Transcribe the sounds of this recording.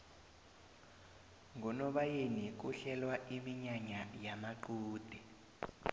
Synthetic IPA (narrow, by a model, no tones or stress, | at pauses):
ŋʱɔnɔɓajenik̬uɬɛlwaʔimiɲaɲajamaǃuːd̥ʱɛ